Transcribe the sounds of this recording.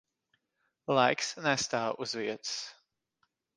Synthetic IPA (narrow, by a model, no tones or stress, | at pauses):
lˠajksnɛst̪aːwuzviɛt̪s